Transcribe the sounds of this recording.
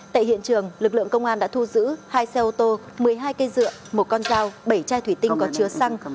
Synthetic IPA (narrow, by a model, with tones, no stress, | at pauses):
t̪a̰ː˧˨jɦḭ˧˨ənt͡ɕɨ˨˩əŋlɨ˨˩k̚lɨ̰˧˨əŋkə˧wŋ͡mʔaː˧nɗa̰ː˧˥t̪ʰu˧zɨ̰˧˥haː˧jsɛ˧ʔo˧t̪o˧ | mɨ˨˩əjɦaː˧jkə˧jzɨ̰˧˨əmo˨˩t̚kɔ˧nzaː˧wɓə˧˩jt͡ɕaː˧jt̪ʰwi˧˩t̪ï˧ŋkɔ˨˦t͡ɕɨ˨˦əsa˧ŋ